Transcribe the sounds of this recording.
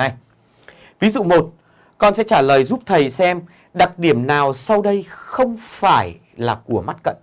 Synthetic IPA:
a˧j | vi˨˦zṵ˧˨mo˨˩t̚ | kɔ˧nsɛ̰˧˥t͡ɕaː˧˩ləː˨˩jzu˦˥p̚t̪ʰə˨˩jsɛ˧m | ɗa˨˩k̚ɗi˧˩əmnaː˨˩wsa˧wɗə˧jxə˧wŋ͡mfaː˧˩j | laː˨˩ku˧˩əma˦˥t̚kə̰˧˨nʔ

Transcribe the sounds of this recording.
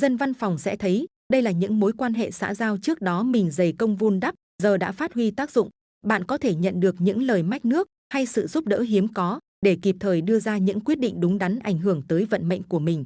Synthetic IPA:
zə˧nva˧nfa˨˩wŋ͡msɛ̰˧˥t̪ʰə˨˦j | ɗə˧jlaː˨˩ɲɨ̰˧˥ŋmo˨˦jkwaː˧nɦḛ˧˨sa̰ː˧˥zaː˧wt͡ɕɨ˦˥ək̚ɗɔ˨˦mï˨˩ŋ̟zə˨˩jkə˧wŋ͡mvu˧nɗa˦˥p̚ | zəː˨˩ɗa̰ː˧˥faː˦˥t̚hwi˧t̪aː˦˥k̚zʊ̰˧˨ŋ͡m | ɓa̰ː˧˨nkɔ˨˦t̪ʰe˧˩ɲə̰˧˨nɗɨ˨˩ək̚ɲɨ̰˧˥ŋləː˨˩jma˦˥jk̟̚nɨ˦˥ək̚ha˧jsɨ̰˧˨zu˦˥p̚ɗə̰ː˧˥ɦi˨˦əmkɔ˨˦ | ɗe˧˩ki˨˩p̚t̪ʰəː˨˩jɗɨ˧əzaː˧ɲɨ̰˧˥ŋkwi˦˥ət̚ɗḭ˧˨ŋ̟ɗʊ˨˦ŋ͡mɗa˨˦nʔa˧˩jŋ̟ɦɨ˧˩əŋt̪əː˨˦jvə̰˧˨nmə̰˧˨jŋ̟ku˧˩əmï˨˩ŋ̟

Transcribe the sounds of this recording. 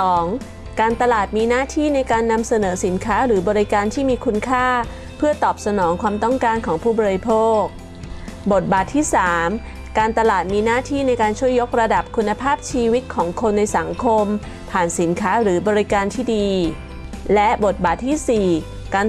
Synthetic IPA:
ɔː˩˦ŋ | kaː˧nt̪a˧laː˨˩t̪̚miː˧naː˥˩t̪ʰiː˥˩na˧jkaː˧nːa˧msa˧nɤː˩˦si˩˦nkʰaː˦˥ɾɯː˩˦bɔː˧ɾi˦˥kaː˧nt̪ʰiː˥˩miː˧kʰu˧nkʰaː˥˩ | pʰɯ˥˩ɐt̪ɔː˨˩p̚sa˧nɔː˩˦ŋkʰwaː˧mt̪ɔ˥˩ŋkaː˧nkʰɔː˩˦ŋpʰuː˥˩bɔː˧ɾi˧pʰoː˥˩k̚ | bo˨˩t̪̚baː˨˩t̪ʰːiː˥˩saː˩˦m | kaː˧nt̪a˧laː˨˩t̪̚miː˧naː˥˩t̪ʰiː˥˩na˧jkaː˧nt͡ɕʰu˥˩əjːo˦˥k̚ɾa˧da˨˩p̚kʰu˧nːa˧pʰaː˥˩p̚t͡ɕʰiː˧wi˦˥t̪̚kʰɔː˩˦ŋkʰo˧nːa˧jsa˩˦ŋkʰo˧m | pʰaː˨˩nsi˩˦nkʰaː˦˥ɾɯː˩˦bɔː˧ɾi˧˦˥kaː˧nt̪ʰiː˥˩diː˧ | lɛ˦˥bo˨˩t̪̚baː˨˩t̪ʰːiː˥˩siː˨˩ | kaː˧

